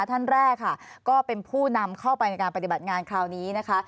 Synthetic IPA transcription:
t̪ʰa˥˩nɾɛː˥˩kʰːa˥˩kɔː˥˩pe˧npʰuː˥˩na˧mkʰa˥˩wpa˧jna˧jkaː˧npa˧t̪i˨˩ba˨˩ŋaː˧nkʰɾaː˧wniː˦˥na˦˥kʰa˦˥

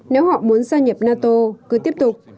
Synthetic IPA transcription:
ne˨˦wɦɔ̰˧˨mu˨˦ənzaː˧ɲə˨˩p̚naː˧t̪o˧kɨ˨˦t̪i˦˥əp̚t̪ʊ˨˩k͡p̚

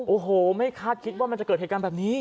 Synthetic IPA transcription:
ʔoː˨˩ɦoː˨˩ma˥˩jkʰaː˥˩t̪̚kʰi˦˥waː˥˩ma˧nt͡ɕkɤː˨˩t̪̚he˨˩ka˧nbɛː˨˩p̚niː˦˥

